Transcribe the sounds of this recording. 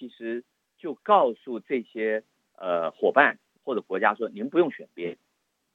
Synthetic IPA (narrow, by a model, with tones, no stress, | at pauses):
t͡ɕʰi˧˥ʂɻ̩˧˥ | t͡ɕjo˥˧ʊkɑ˥˧ʊsu˥˧ʈ͡ʂɤ˥˩ɕjɛ˥ | ə˧xwɔ˨˩pa˥˩n | xwɔ˥˩ʈ͡ʂɤ˨˩kwɔ˧˥t͡ɕja˥ʂwɔ˥ni˧˥npu˧˥jʊ˥˩ŋɕɥɛ˨˩npjɛ˥n